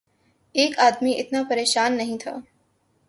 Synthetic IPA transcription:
eːkaːd̪miʔɪt̪napɐɾeːʃaːnːɐɦĩt̪ʰa̰ː

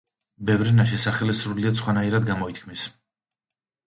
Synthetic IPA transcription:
bɛvɾɛnaʃɛsaχɛlisɾuliat̪sχwanaiɾad̪ɡamɔit̪̚ʰkʰmis

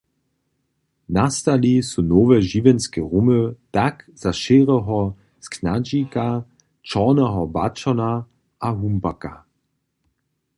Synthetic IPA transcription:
nastalisunoːvɛʒivɛnskɛʁumətakz̥aʃeːʁəɦɔ | sknad͡ʒika | t͡ʃɔːnəɦɔbat͡ʃɔna | ʔaɦumbaka

